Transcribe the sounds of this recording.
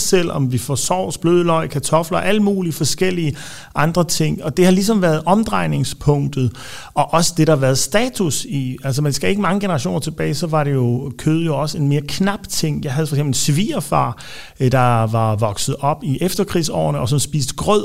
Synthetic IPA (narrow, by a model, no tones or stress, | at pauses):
sel̰ɒ̽mdifɒsɒ̰ːsb̥løːðˠəlɒ̽ɪkʰæt͡sʰɒ̽flɐʔæləmuːliəfɒ̽sɡ̥el̰iə | ʔɑ̈nd̥ʁɐt͡sʰe̝ŋ̰ɒ̽d̥e̝hɑ̈lis̬ɒ̽mʋæːɐð̩ˠʔɒ̽md̥ʁɑ̈ɪne̝ŋspʰɔ̽ŋ̰d̥ð̩ˠ | ɒ̽ʔɒ̽səd̥e̝ɾɑ̈ʋæːɐð̩ˠsd̥ɛːt͡sʰusiælsɒmænsɡ̥æe̝ɡ̥əmɑ̈ŋəɡ̥e̝nɐʁɑ̈ɕo̝̰ːnɐt͡sʰe̝b̥ɛ̰ːɪsɒ̽ʋɑ̈ɾe̝jo̝kʰøːð̞ˠjo̝ɒ̽səe̝nme̝ːɐkʰnɑ̈b̥t͡sʰe̝ŋ̰jɑ̈ɪɦæð̩ˠfɒɡsemb̥l̩sʋiːɐfɑ̰̈ː | d̥ɑ̈ʋɑ̈ʋɒ̽ɡ̥sð̞̩ˠɒ̽b̥iʔefd̥ɐkʰʁḭːsɒ̰ːɐnəɒsɒ̽nsb̥ḭːsd̥ɡ̥ʁœð̰ˠ